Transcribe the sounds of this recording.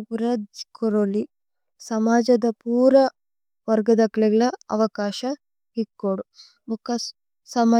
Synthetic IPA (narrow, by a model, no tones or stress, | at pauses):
pɾɐd̪koɾoli | sɐmaːd͡ʒɐd̪ɐpuːɾɐ | ʋɐɾɡɐd̪ɐkɐɭɛɡɐɭɐɐʋɐkaːʃɐ | ɦikːoɽu | mukɐ | sɐmɐ